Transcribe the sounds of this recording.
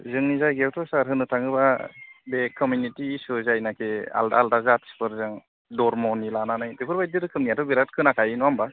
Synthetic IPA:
zɯŋnizajɡewtʰɔsaɾɦɯnɯtʰaŋɯbabekʰɔmjunitiːsɯzajnakʰea̰lda̰ldazatspʰɯɾzɯŋ | dɔɾmɔnilananajdɯpʰɯɾbajdɯɾɯkʰɯmnijatɔbiɾat̚kʰɯnakʰajɯnɔamba

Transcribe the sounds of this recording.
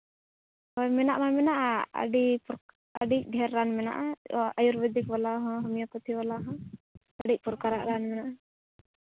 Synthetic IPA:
ɔjmɛnaʔmamɛnaʔaə̰ɖipuɾ | ə̰ɖik̚ˀɖʱɛɾːanmɛna̰ʔaajuɾbɛd̪ikbalaɦɔ̃ɦɔmijapɔt̪ʰiwalaɦɔ̃kəɖic̚puɾkaɾaʔɾanmɛnaʔa

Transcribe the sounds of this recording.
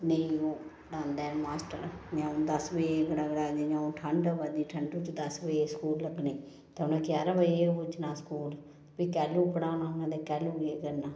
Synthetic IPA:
nəĩoː | ɽãːnd̪amaːsʈə̰ɾjãːõːd̪əsʋəeɡəɽaːɡəɽaːd͡ʒeːɲãːõːʈʰəɳɖʋad̪iːʈʰəɳɖuːt͡ʃd̪əsʋəeskuːlləɡneː | t̪eːʊnẽːkɪjaːɾaʋəieʊd͡ʒnaːskuːl | pikɛːluːpəɽãːnãːʊnãːd̪eːkɛːluːeːɡəɾnaː

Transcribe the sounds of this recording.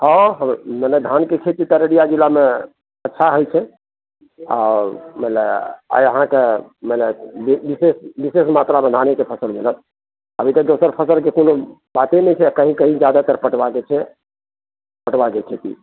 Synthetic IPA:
hɔ̃ɦəmmeled̪ʱankekʰet̪it̪ɔɾeɽijad͡ʒilame | ətːʃʰaɦojt͡ʃʰɛ | a̰mələə̰jəɦãkeməlebibisesbisesmat̪ɾamed̪ʱanekepʰəsəlmilət̪ | əbʱit̪ək̚d̪osəɾpʰəsəlkekonobat̪enɛt͡ʃʰɛkəɦĩkəɦĩd͡ʒjad̪at̪əɾpəʈbaket͡ʃʰɛ | pəʈbakekʰet̪ḭ

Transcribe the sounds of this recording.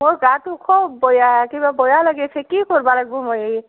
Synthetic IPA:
moɹɡatukʰɔbbɔjakibabɔjalaɡɛt͡ʃʰɛkikɔɹbalaɡ̚bɔmoje

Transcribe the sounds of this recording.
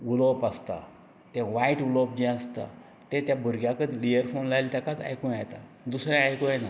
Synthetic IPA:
ulopast̪a̰ | t̪ɛ̃ʋaiʈulop̚d͡ʑɛ̃əst̪a̰ | t̪ẽt̪jabʱuɾɡjãkəd̪lijəɾfonlajlt̪akat͡s̪a̰jkũat̪a̰ | d̪usɾjaajkojɛna

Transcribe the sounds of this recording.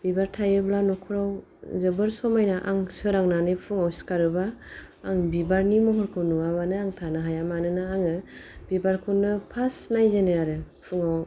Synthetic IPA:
bibaɾtʰajɯblanɔkʰɯɾaw | zɯbɯɾsɔmajnaʔa̰ŋsɯɾaŋnanɯpʰuŋawsi̥kaɾɯbaː | ŋbibaɾnimɔɦɔɾkʰɯwnuaβanɯaŋtʰanaɦajamanɯnɯaŋɯb̥ibaɾkʰunːɯpʰasnajzenɯaɾɯ | pʰuŋaw

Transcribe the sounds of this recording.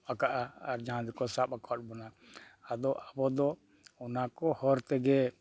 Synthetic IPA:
akaʔaːɾd͡ʒaɦãd̪ɛkɔsaɓakʰɔt̚bɔnaad̪ɔʔabɔd̪ɔ | ɔnakɔhɔɾt̪ɛɡɛ

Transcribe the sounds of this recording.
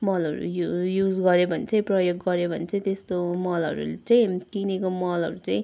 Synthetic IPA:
mʌlʌɾṵjujud͡zɡʌɾebʱʌnt͡sʌj̃prʌjekʈ̚ɡʌɾebʱʌnt͡sʰʌĩt̪est̪omʌlʌ̰ɾṵlet͡sʌj̃t̪inekomʌlʌ̰ɾut͡sʌĩ

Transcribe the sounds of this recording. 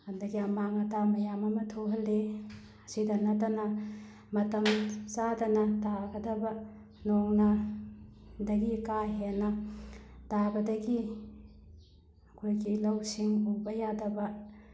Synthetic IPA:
hɐndɐɡiɐmaŋɐtamɐjamɐmɐtʰoɦɐlːe | ɐsidɐnɐtɐnɐ | mɐtɐmt͡ʃadɐnɐtaɡɐdɐbɐ | noŋnɐ | dɐɡikaɦenɐ | tabɐdɐɡi | ɐkʰojɡilɐwsiŋubɐjadɐbɐ

